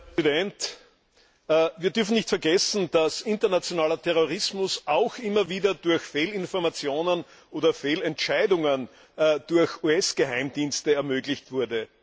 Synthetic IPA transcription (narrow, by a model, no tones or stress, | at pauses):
idɛnt | viːɐdʏɐfn̩nɪçtfɛɐɡɛsn̩d̥asɪntɐnat͡sjonaːlɐtʰɛʁoʁɪsmʊsʔaʊxʔɪmɐviːdɐdʊɐçfeːlɪnfɔɐmat͡sjoːnən | ʔoːdɐfeːlɛntʃaɪdʊŋən | d̥ʊɐçuːɛsɡ̥əɦaɪmd̥iːnstəɛɐmøːɡlɪçtv̥ʊɐdə